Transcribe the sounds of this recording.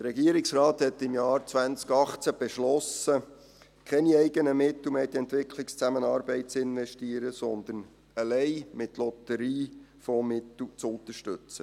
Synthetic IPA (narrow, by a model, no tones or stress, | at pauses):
d̪əɾɛɡiəɾɪksrɑːt̪hɛt̪ɪmjɑːɾt͡sʋænt͡skɑχt͡sæb̥ɛʃlɔsə | kʰɛniɛɪɡənəmɪt̪l̩meːd̪iɛnt̪ʋɪkʰlɪkst͡sæmənɑːɾbɛɪt̚t͡sɪnʋɛʃtiːəɾəsɔnd̪ən | əlɛɪmɪt̪lɔt̪əɾiːfɔmɪt̪l̩t͡sʊnt̪əʃtʏt͡sə